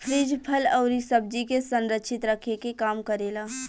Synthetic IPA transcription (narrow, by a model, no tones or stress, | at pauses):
pʰɾiːd͡ʒpʰəlɔːɾisəb̚d͡ʒikesə̃nɾəkːʃʰɪt̪ɾəkʰekekaːmkəɾeːlaː